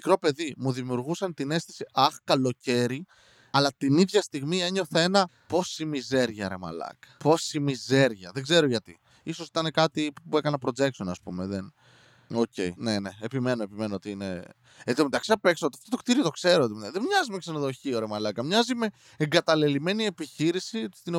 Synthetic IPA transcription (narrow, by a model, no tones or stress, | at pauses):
ikɾo̞pe̞ðimuðimiuɾɣusɐnt̪ine̞st̪isiɐxkɐlo̞ce̞ɾi | ɐlɐt̪iniðʝɐst̪iɣmie̞ɲo̞θɐe̞nɐ | po̞simize̞ɾʝɐɾe̞mɐ̰lɐ̰kɐ̥po̞simize̞ɾʝɐðeɡze̞ɾoʝɐt̪ḭ | iso̞si̥t̪ɐne̞kɐt̪ipue̞kɐnɐpɾo̞d͡ze̞k̚so̞nɐspṵmeðen | o̞ce̞̰ine̞ne̞epime̞noepime̞noo̞t̪iine̞̰ | et̪omet̪ɐksiɐpekseot̪iɐft̪o̞t̪o̞kt̪iɾiot̪o̞kse̞ɾot̪ðemɲɐzimeksɐnoðo̞çioɾe̞mɐlɐkɐmɲɐzime̞ | eŋɡɐt̪ɐlilime̞nie̞piçiɾisist̪ino